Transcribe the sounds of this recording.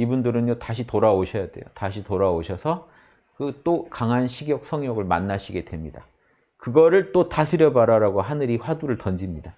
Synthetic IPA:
ibundɯɾɯnjotaɕʰitoɾaoɕʰʌjade̞̰jotaɕʰitoɾaoɕʰʌsʰʌ | kɯt͈okaŋɦanɕʰiɡjʌk̚s͈ʰʌŋjʌɡɯɭma̰nːaɕʰiɡe̞dwe̞mɲida | kɯɡʌɾɯɭt͈otasʰɯɾjʌbaɾaɾaɡoɦanɯɾiɸwaduɾɯɭtʌnd͡ʑimɲida

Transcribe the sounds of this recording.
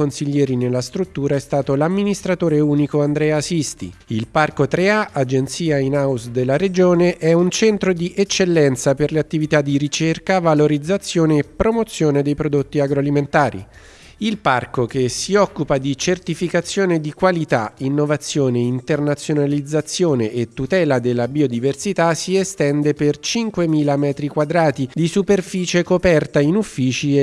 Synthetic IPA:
onsiʎːɛːɾinelːast̪ɾut̪ːuːɾaɛst̪aːt̪olamːinist̪ɾat̪oːɾeuːnikoand̪ɾɛːasist̪ḭilparkot̪ɾeaʔad͡ʒent̪siːainawsd̪elːaɾed͡ʒoːneʔɛunt͡ʃɛnt̪ɾod̪iʔɛt͡ʃːelːɛnt̪saperleat̪ːivit̪ad̪ːiɾit͡ʃerkavaloɾid̪zːat̪sːjoːneːpːɾomot̪sjoːned̪ejpɾod̪ot̪ːiaɡɾoaliment̪aːɾḭ | ilparkok̟esiɔkːupad̪it͡ʃert̪ifikat̪sːjoːned̪ikwalit̪a̰inːovat̪sːjoːneint̪ernat̪sjonalid̪zːat̪sːjoːneʔet̪ːut̪ɛːlad̪elːabiod̪iversit̪asiest̪ɛnd̪epert͡ʃiŋkwemiːlamɛːt̪ɾikwad̪ɾaːt̪id̪isuperfiːt͡ʃekopɛrt̪ainufːiːt͡ʃi

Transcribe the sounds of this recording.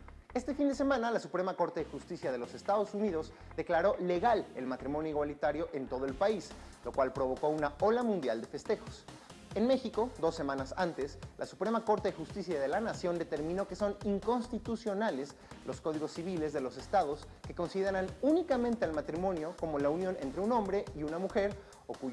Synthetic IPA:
e̞st̪e̞find̪e̞se̞mãnalasupɾe̞mako̞ɾt̪e̞ðexust̪isjaðe̞lo̞se̞st̪aðo̞suniðo̞z | d̪e̞klaɾo̞le̞ɣalḛlmat̪ɾimonjoiɣwalit̪aɾjo̞ʔe̞nt̪o̞ðo̞e̞lpaislo̞kwalpɾo̞βo̞ko̞unao̞lamũnd̪jald̪e̞fe̞st̪e̞xo̞̥s | enme̞xiko̞ðo̞sːe̞mãnasant̪e̞slʔasu̥pɾe̞mako̞ɾt̪e̞ðexust̪isjaðe̞lanasjo̞nd̪e̞t̪e̞ɾmĩno̞ke̞so̞niŋko̞nst̪it̪usjo̞nale̞s | lo̞sko̞ð̞iɣo̞sːiβ̞ile̞zðe̞lo̞se̞st̪aðo̞s | ke̞ko̞nsiðe̞ɾanunikamẽnt̪ealmat̪ɾimõ̞njo̞ko̞mo̞launjo̞ne̞̰nt̪ɾeunõ̞mbɾe̞iunamuxe̞ɾ | o̞ku

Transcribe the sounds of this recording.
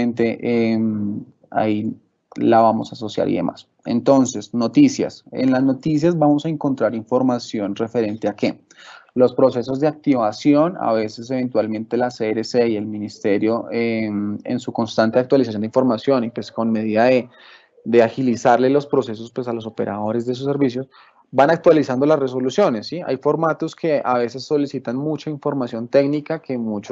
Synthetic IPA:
ent̪e̞ʔem | a̰i | laβamo̞̰saso̞sja̰ɾḭðe̞̰mʔa̰s | e̞̰nt̪o̞nse̞sno̞t̪isja̰sḛnlazno̞t̪is̬jazbamo̞saeŋko̞nt̪ɾaɾiɱfo̞ɾmasjo̞nre̞fe̞ɾe̞nt̪eake̞̰ | lo̞spɾo̞se̞so̞zd̪eak̚t̪iβasjo̞na̰βe̞se̞s̬e̞βe̞nt̪walmẽ̞nt̪e̞laseɾeseie̞lmĩnist̪e̞ɾjo̞eḛnsuko̞nst̪ant̪e̞akt̪walisasjond̪iɱfoɾmasjo̞nipwe̞sko̞nme̞ð̞iðaðe | d̪e̞axilisaɾle̞lo̞spɾo̞se̞s̬o̞spwe̞salo̞so̞pe̞ɾʔa̰ðo̞ɾe̞zd̪es̬us̬ːe̞ɾbis̬jos | banak̚t̪walisand̪o̞lasre̞s̬o̞lusjo̞nesːia̰jfo̞ɾmat̪o̞skʰe̞aβe̞se̞sːo̞lisit̪anmut͡ʃaiɱfoɾmasjo̞nt̪e̞ɡnikakʰe̞mut͡ʃ

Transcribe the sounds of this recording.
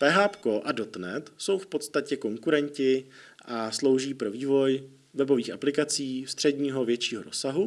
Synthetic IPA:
t̪ɛɦaːpko̞ʔado̞t̪nɛt̪so̞wfpo̞t̪st̪acɛko̞ŋkuɾɛɲcɪ | ʔaslo̞wʒiːpɾo̞viːvo̞j | vɛbo̞viːxʔaplɪkat͡siːst̪r̥ɛdɲiːɦo̞vjɛt͡ʃiːɦoɾo̞saɦu

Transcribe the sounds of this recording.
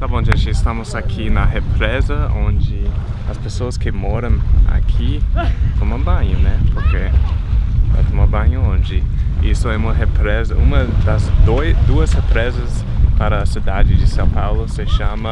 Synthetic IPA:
t̪abõʒẽnt͡ʃɪɪst̪ɐ̃mʊzakʰinɐɦepɾɛzɐõnd͡ʒɪɐspesoɐskɪmɔɾɐ̃w̃a̰kʰit̪õw̃ɐ̃bɐ̃ɲɐnɛpoɾke | ɛ̰kõw̃ɐ̃bɐ̃ɲɐõnd͡ʒɪisʊɛũmɐɦepɾɛzɐũmɐd̪ɐzd̪ojsd̪uɐshepɾɛzɐs | paɾɐːsid̪ad͡ʒɪd͡ʒɪsɐ̃w̃pawlʊseʃãmɐ

